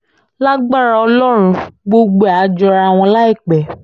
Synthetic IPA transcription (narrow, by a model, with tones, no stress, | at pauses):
la˦ɡ͡ba˦ɾa˧ɔ˧lɔ˦ɾ̃ũ˧ɡ͡bo˧ɡ͡bo˦a˨˦d͡ʒɔ˧ɾa˧˨w̃ɔ̃˧la˦i˦˨k͡pɛ˨